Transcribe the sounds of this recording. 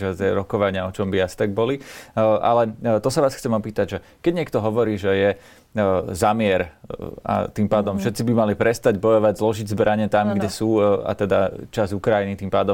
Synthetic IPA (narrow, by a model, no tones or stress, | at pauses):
ʒɛt̪ɛɾɔkɔʋaɲɪaɔt͡ʃɔmbiast̪aɡ̚bɔliʔa̰lɛt̪ɔsaʋaːsxt͡sɛmɔpiːt̪aɟʒɛ | kɛɟɲɪɛkt̪ɔɦɔʋɔɾiːʒɛjɛ | zamɪɛɾa̰t̪iːmpaːd̪ɔmfʃɛt̪t͡sibimalipɾɛst̪aɟbɔjɔʋaɟzlɔʒiɟzbɾʔaɲɛt̪amɡɟɛsuːa̰t̪ɛd̪at͡ʃazukɾajinit̪iːmpaːd̪ɔm